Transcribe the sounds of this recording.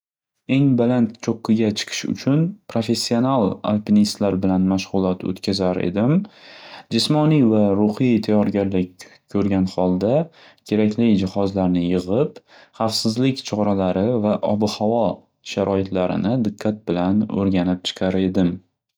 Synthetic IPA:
e̞ŋbalant̪t͡ʃʰoqʰːɨɡʲat͡ʃʰɨ̥qʰɨ̥ʃʊ̰t͡ʃʰʊnpɾofe̞sːio̞nalˠa̰lpʲinist̪laɾbɪlanmaʃʁ̥ʊlˠɒt̪ʰɵ̰t̪kʲʰazaɾḛd̪ɪm | d͡ʒɪsmɒnivaɾʊhijt̪ʰajɒɾɡʲaɾlɪkʲkʰːɵɾɡʲanχɒlˠd̪a | kʲʰe̞ɾakʲʰlɪjd͡ʒɪχɒzlaɾnɪjɨʁɨp | χɑfsɪzlɪkʲt͡ʃʰɒɾalaɾɪvaʔɒbɨhavɒ | ʃaɾʔɒɪt̪laɾɪ̰nɪd̪ɪqʰːat̪̚bɪlanɵ̰ɾɡʲanɪp̚t͡ʃʰɨ̥qʰɑɾe̞d̪ɪm

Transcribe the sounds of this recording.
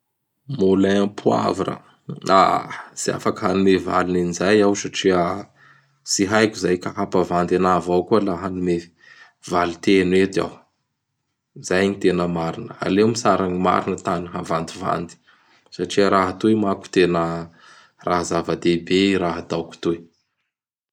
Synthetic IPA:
mulaapʰua̰vaɾa̰ | a̰sia̰fakəɦanumeva̰lininizajawsaʈ͡ʂiə | siɦajkuzajkaɦapavand̪anavawkualaɦanume | valit̪enwet̪a̰w | zajɲit̪enəmaɾinəa̰lewmisaɾaɲima̰ɾinət̪aniɦavand̪iva̰nd̪i̥ | saʈ͡ʂiəɾaɦat̪uemaku̥t̪enə | raɦzavəd̪ebeɾaɦat̪awku̥t̪u

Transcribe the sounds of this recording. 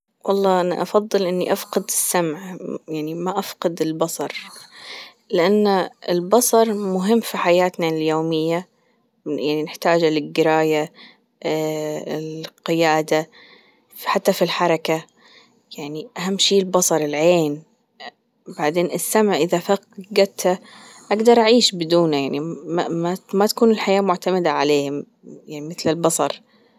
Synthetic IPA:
wʔɑlˤːɑːʔana̰ʔɑfɑðˤːɨlʔɪnːiʔafqɪd̪ɪsːamʕjaʕnimaʔafqɑd̪ɪlbɑsˤɑɾˤ | lɪʔanːaɪlbɑsˤɑɾˤmʊɦɪmːfiħajaːt̪naljoːmɪjːa | jaʕninɪħt̪aːd͡ʒalɪɡɪɾaːja | ɪqɪjaːd̪a | ħat̪ːafilħɑɾˤɑka | jaʕniʔaɦamːʃiːlbɑsˤɑɾˤɪlʕeːn | baʕd̪eːnɪsːamʕaʔɪðafaqɡat̪ha | ʔaɡd̪ɑɾˤʔaʕiːʃbɪd̪uːnajaʕniamamat̪ḁkuːnɪlħajaːmʊʕt̪amad̪aʕaleːhɪm | jaʕnimɪθlɪlbɑsˤɑɾˤ

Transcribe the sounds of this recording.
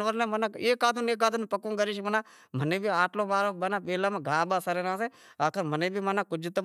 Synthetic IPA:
ʋəɾnẽːmənaːeːkaːd̪ʱuneːkaːd̪unpəkõːɡəɾiːʃmənãː | mənẽːbʱiːaːʈloːmaːɾoːɓənaːpeːlaːmãːɡʱaːɓaːsəɾeːnãːseːaːkəɾmənẽːbʱiːmanaːkʊd͡ʒt̪ə

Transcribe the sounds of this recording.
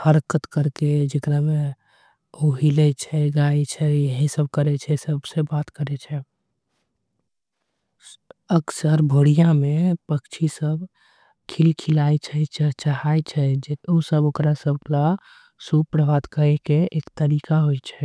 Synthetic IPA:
həɾkət̪kəɾked͡ʒekɾame | oɦilɛt͡ʃʰɛɡaet͡ʃʰɛjəɦisəb̚kəɾɛt͡ʃʰɛsəbsebaːt̪kəɾɛt͡ʃʰɛ | əksəɾbʱoːɽijãmẽpəkt͡ʃʰisəb | kʰilkʰilajt͡ʃʰɛt͡ʃət͡ʃəɦaet͡ʃʰɛd͡ʒeosəbokɾasəbla | supɾəʋad̪kəɾɛkeeːkt̪əɾikaɦojt͡ʃʰɛ

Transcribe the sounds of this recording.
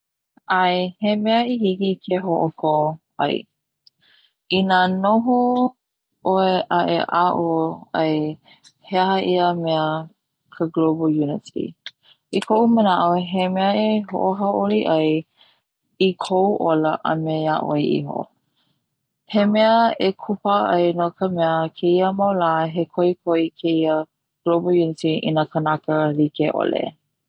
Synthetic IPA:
ʔajhemɛəihikikʰeɦoʔokʰo | ɐ̰j | inanoɦo | ʔoeʔaʔeʔaʔoɐj | heɦəʔiəmɛə | kʰəɡlobəjunɪtḭ | ʔikʰoʔumənaʔoɦemɛəeɦo̰ʔoɦaʔoliʔɐj | ikʰouʔoləʔə̰mejaʔojʔḭɦo̰ | hemɛəekʰupaʔɐjnokəmɛəkʰeiəmawlaːɦekʰoikʰoikʰeiə | ɡ̥lobojunɪtiʔḭnəkʰənakəlikeʔo̰lḛ

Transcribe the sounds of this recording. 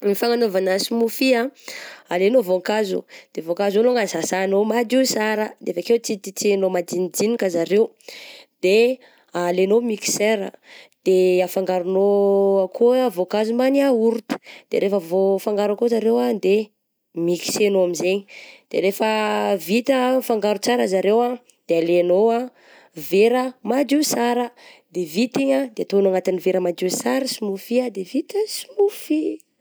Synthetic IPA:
mifaŋanovanasimufiaalenovoŋkazṵd̪̥evokazonoŋazasanomad̪isaɾəd̪eevakewt͡sit̪it͡senomad̪inid͡zinikəzaɾew | d̪̥e | alenomiki̥seɾə̰d̪̥eafaŋɡaɾunoakʰuavokazumaniauɾut̪ə̥d̪̥eɾefəvofaŋɡaɾakozaɾewad̪e | miki̥senoamizeɲid̪̥eɾefəvit̪əfaŋɡaɾut͡saɾəzaɾewa | d̪̥ealenoa | veɾəmad͡ʒusaɾəd̪evit̪iɲad̪eat̪onaŋat̪iniveɾəmad͡ʒ̪isaɾəsimufiad̪evit̪əsimufi

